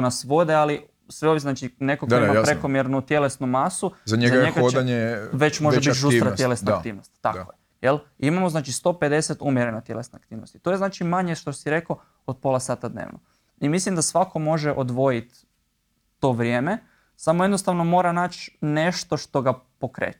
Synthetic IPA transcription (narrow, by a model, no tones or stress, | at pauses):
nasʋo̞d̪eali | sʋeoʋjiznaːt͡ʃine̞kok̪immapɾeko̞mjeɾnut̪je̞lesnumasuzaɲezaaɲeɡaodaɲeʋe̞t͡ʃmoʒebiʒuɾat̪je̞lesnakt̪iːʋnost̪ːa̰koje | jelimamoznaːt͡ʃist̪o̞ːpe̞d̪e̞set̪umjeɾenat̪je̞lesnaakt̪iːʋnost̪it̪o̞jenaːt͡ʃimaɲeʃt̪o̞siɾe̞ko | od̪̚po̞lˠasaːt̪ad̪nḛːʋno̰ | imislimd̪asʋako̞mo̞ʒeʔod̪ʋo̞jit̪ː | o̞ːʋɾʲje̞ːme | samoje̞d̪nost̪aʋnomo̞ːɾanaːt͡ʃne̞ʃt̪o̞ʃt̪o̞ɡapo̞kɾḛːt͡ʃɛ̥